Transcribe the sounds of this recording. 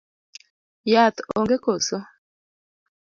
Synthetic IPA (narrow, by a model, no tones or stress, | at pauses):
jat̪oŋɡekoso